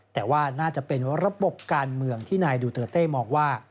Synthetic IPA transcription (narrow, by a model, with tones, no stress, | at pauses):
t̪ɛː˨˩waː˥˩naː˥˩t͡ɕa˨˩pe˧nɾa˦˥bo˨˩p̚kaː˧nmɯ˧əŋt̪ʰiː˥˩naː˧jduː˧t̪ɤː˨˩t̪̚eː˥˩mɔː˧ŋwaː˥˩